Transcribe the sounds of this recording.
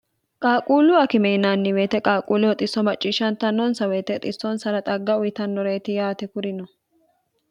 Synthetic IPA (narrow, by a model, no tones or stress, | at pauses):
kʼaːkʼuːlʊɐkɪmɛɪnaːnːɪweːt̪ɛkʼaːkʼuːlʊɔt̪ʼɪsːɔmɐt͡ʃʼːiːʃɐnt̪ːɐnːɔnsɐweːt̪ɛt̪ʼɪsːɔnsɐɾɐt̪ʼɐɡːɐʊjɪt̪ɐnːɔɾeːt̪ɪjaːt̪ɛkʊɾɪnɔ